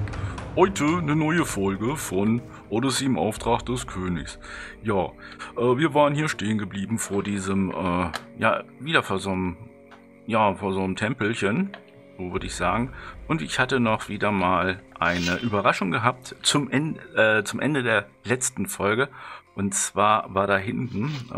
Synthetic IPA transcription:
hɔʏtʰənənɔʏəfɔlɡəfɔn | ʔɔdəsiːɪmʔa̰ʊftʁ̥aχ̚d̥ɛskʰøːnɪ̰çsjaːʔɛːviːɐvaːʁənhiːɐʃteːənɡəbliːbm̩foːɐdiːzəmʔɛːja̰ːviːdɐfoːɐzoːnəm | jaːfoːɐzoːnəmtʰɛmpl̩çən | z̥oːvʏɐdəɪçz̥aːɡŋ̩ʔʊntɪçhatənɔχv̥iːdɐmaːlʔaɪnəʔyːbɐʁaʃʊŋɡəɦap̚tt͡sʊmʔɛʔɛːt͡sʊmʔɛ̰ndədeːɐ | lɛt͡stn̩fɔlɡəʔʊntt͡sv̥aːɐvaːɐɾaːɦɪntn̩

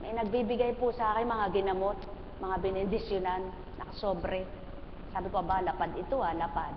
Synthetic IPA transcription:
mɐjnɐɡ̚bibɪɡajpʊsɐʔaːkɪŋmɐŋaɡɪnɐmot̪̚ | mɐŋabɛnɛd̪ɪsjʊnanː | ʔɐ̰kɐsoːbɾɛ | saːbɪkoʔɐbalɐpad̪ɪt̪oalɐpad̪

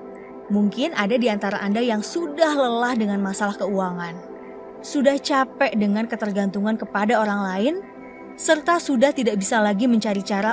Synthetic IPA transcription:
muŋkɪnadadiant̪aɾaʔandajaŋsudahləlahdəŋanmasalahkəuaŋan | sudaht͡ʃapɛʔdəŋankət̪ərɡant̪uŋankəpadaoɾaŋlaɪn | sərt̪asudaht̪idaʔbisalaɡiməɲt͡ʃaɾit͡ʃaɾa

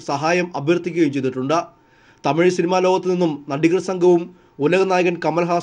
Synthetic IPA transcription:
sɐɦaːjɐmɐbʱjɐrt̪ʰːikʲːuɣɐjimt͡ɕe̞jt̪iʈːuɳɖɨ | t̪ɐmiɻsinimaːlo̞ːɡɐt̪ːɨninːumnɐɖiɣɾɐsɐŋɡʱɐʋum | ulɐɣɐnaːjɐɣɐnkɐmɐlɐɦaː

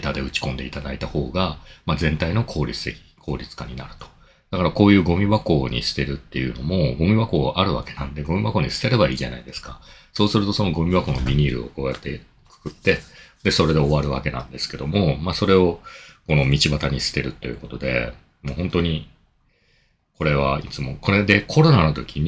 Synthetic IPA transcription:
t̪ad̪e̞ɯ̟t͡ɕi̥kõ̞nd̪e̞it̪ad̪ait̪aho̞ːɡamad͡zẽ̞nt̪aino̞kʰo̞ːɾʲit͡sɨ̥t̪ekʲi̥kʰo̞ːɾʲit͡sɨ̥kaɲ̟ina̰ɾɯ̟̥t̪o̥ | d̪̥akaɾako̞ːjɯ̟ːɡo̞mʲiβako̞ːɲ̟ḭsɨ̥t̪e̞ɾɯ̟t̪ːe̞jɯ̟no̞mo̞ɡo̞mʲiβako̞ːʔaɾɯ̟βa̰ke̞nãnd̪e̞ɡo̞mʲiβako̞ːɲ̟isɨ̥t̪eɾe̞baḭːʑanaid̪e̞sɨ̥ka | so̞ːsɨɾɯ̟t̪o̞so̞no̞ɡo̞mʲiβako̞no̞mʲiɲ̟iːɾɯ̟̰o̞̰ko̞ːjat̪ːe̞ | kɯ̥kɯ̟t̪ːe̞d̪e̞so̞ɾe̞d̪e̞o̞βaɾɯ̟βa̰ke̞nã̰nd̪e̞sɨ̥ke̞d̪o̞mo̞maːso̞ɾe̞o̞ko̞no̞mʲit͡ɕibat̪aɲ̟isɨ̥t̪e̞ɾɯ̟t̪ːe̞jɯ̟ko̞t̪o̞d̪e̞̰ | moːhõ̞nt̪o̞ɲ̟i | ko̞ɾe̞β̞ait͡sɨmo̞ko̞ɾe̞d̪e̞kʰo̞ɾo̞nano̞t̪o̞kʲiɲ̟

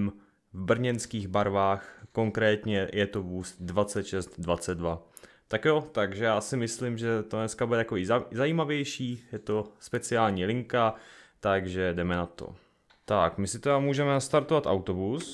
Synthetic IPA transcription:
m | vbr̩ɲɛnskiːɣbaɾvaːxko̞ŋkɾɛːt̪ɲɛjɛt̪ovuːst̪dvat͡sɛt̪ʃɛst̪dvat͡sɛd̪̚dva | t̪akjot̪aɡʒɛjaːsɪmɪslimʒɛt̪onɛskabudɛt̪akoizzaiːmavjɛjʃiːjɛt̪o̞spɛt͡sɪaːlɲiːlɪŋkat̪aɡʒɛdɛmɛnat̪o̰ | t̪akmɪsɪt̪ɛdamuːʒɛmɛnast̪aɾt̪ovat̪ʔa̰wt̪o̞bus

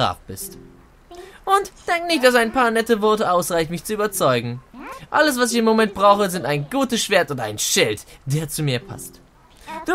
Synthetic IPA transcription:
a̰ːfb̥ɪst | ʔʊntd̥ɛŋkənɪçt̚d̥as̬aɪnpʰaːɐnɛtəvɔɐtəʔaʊsʁ̥aɪçtmɪçt͡suyːbɐt͡sɔʏɡŋ̩ʔaləs̬v̥as̬ɪçɪmːomɛnt̚b̥ʁaʊxəzɪntaɪnɡuːtəsʃv̥eːɐtʊntaɪnʃɪltd̥eːɐt͡sumiːɐpʰa̰st | d̥u

